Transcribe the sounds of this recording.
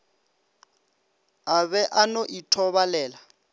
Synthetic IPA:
aβɛʔanoʔitʰɔβalɛːla

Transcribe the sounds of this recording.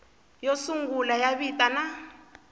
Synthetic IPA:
jɔsuŋɡulajaβitʼana

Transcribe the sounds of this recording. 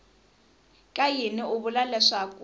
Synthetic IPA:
kʼajinɪʊβʊlalɛʂakʼu

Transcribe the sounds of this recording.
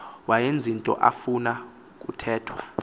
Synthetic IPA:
wajend͡zʱintʼɔ̰ʔa̰funa | k̬ʼutʰɛːtʰwa

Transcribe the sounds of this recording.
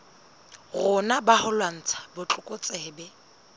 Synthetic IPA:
ɣʊnabahʊlwan̩t͡sʰḁbʊt͡ɬʼʊkʼʊt͡sʼɛːbɛ

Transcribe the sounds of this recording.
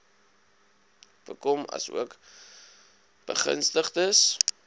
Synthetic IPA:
b̥əkɔmɐ̰suək | b̥əχə̰nstəχtəs

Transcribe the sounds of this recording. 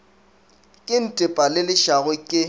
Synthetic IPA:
kʼɪn̩tʼɪpʼalɪlɪʃaɣʊkʼɪ

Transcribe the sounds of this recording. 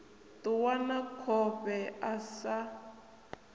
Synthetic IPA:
tuwanakʰɔpɛasa

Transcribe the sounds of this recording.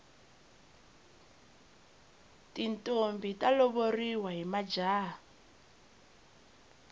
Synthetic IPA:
tintʼombitʼalɔβoriwaɦimad͡ʒaː

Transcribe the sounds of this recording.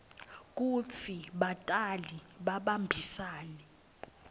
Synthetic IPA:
kʼufʰiɓatʼaliɓaɓambʱisaːnɛ

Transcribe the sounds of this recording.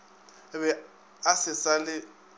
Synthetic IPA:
βɛ | asɪsalɪ

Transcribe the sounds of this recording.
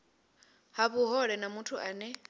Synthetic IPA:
haβuɦɔɺɛnamutʰuʔaːnɛ

